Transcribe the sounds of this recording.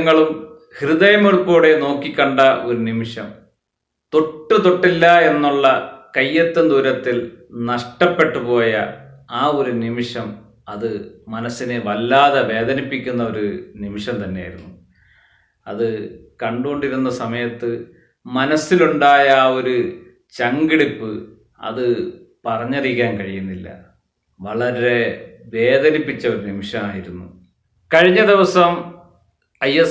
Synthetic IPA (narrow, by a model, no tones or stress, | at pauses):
ŋːɐɭum | hriðɐjɐmoɻupːoːɽe̞no̞ːkːikʲːɐɳɖɐo̞ɾunimiʂɐm | t̪o̞ʈːɨt̪o̞ʈːilːɐe̞nːuɭːɐkɐjːɐt̪ːɐnd̪uːɾɐt̪ːilnɐʂʈɐpːe̞ʈːupo̞ːjɐ | aːo̞ɾunimiʂɐm | ɐðɨmɐnɐsːineʋɐlːaːðeʋe̞ːd̪ɐnipːikʲːunːɐo̞ɾunimiʂɐmt̪ɐnːe̞ja̰ːjiɾunːu | ɐðɨ | kɐɳɖuɣoɳɖiɾunːɐsɐmɐjɐt̪ːɨ | mɐnɐsːiluɳɖaːjɐo̞ɾu | t͡ɕɐŋɡiɽipːɨ | ɐ̰ðɨ | pɐrɐɲːɐrikʲːaːnkɐɻijunːilːɐ̰ | ʋɐɭɐɾɾe̞ʋe̞ːd̪ɐnipːit͡ɕːɐoɾunimiʂɐmaːjiɾunːu | kɐɻiɲːɐd̪iʋɐsɐm | ɐje